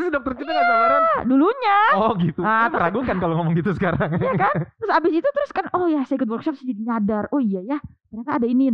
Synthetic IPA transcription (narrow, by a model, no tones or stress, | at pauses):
sdɔk̚t̪ərt͡ʃəaaduluɲaɔɡit̪uat̪əɾaɡukankaloŋamɔŋɡit̪usə̥kaɾaŋijakant̪əɾʊsabɪsit̪ut̪əɾʊskanɔjasaikʊt̪wɔrkʃɔpsədidiɲadarɔijajak̪ərnakaːdainin